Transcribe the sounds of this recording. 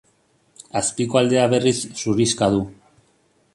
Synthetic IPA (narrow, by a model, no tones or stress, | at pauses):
aspiko̞ald̪e̞aβe̞risːuriskaðu